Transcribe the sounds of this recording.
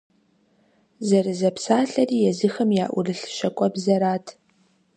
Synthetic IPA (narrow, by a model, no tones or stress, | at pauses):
zɐɾɨzɐpsaːɬɐriːjɛzɨxɐmja̰ːʔʷʊrɨɬʃɐkʷʼɔbzɐɾaːtʰ